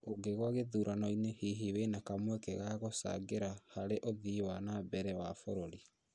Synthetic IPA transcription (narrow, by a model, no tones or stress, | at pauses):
oɡeɣwaɣeðuːɾʔanɔinehiɦiwenakamwɛkɛɣaɣosa̰ɡeɾahaɾeʔoðiwanabɛɾɛwafoɾoɾi